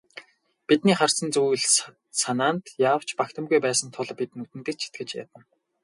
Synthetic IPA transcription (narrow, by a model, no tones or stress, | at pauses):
pit̪niːχar̥sə̆nt͡suːɮ | sanaːnt̪jaːw̥t͡ɕpakt̪ʰə̆mɣujpæːsə̆nt̪ʰʊɮpit̪nut̪ɘ̆nt̪ɘ̆t͡ɕʰi̥t̪̚ɡɘ̆t͡ɕja̰t̪ə̆n